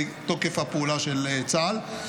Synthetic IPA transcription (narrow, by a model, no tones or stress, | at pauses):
t̪okefapuːlaʃelt͡sal